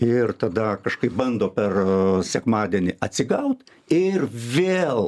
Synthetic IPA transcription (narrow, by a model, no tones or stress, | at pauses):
ɪrt̪ɐd̪ɐkɐʃkɐɪp̚bɐnd̪oːpʲɛrsʲɛkmɑːd̪ʲɛnʲɪʔɐt̪ʲsʲɪɡɐʊt̪ | ɪrʋʲeːlˠ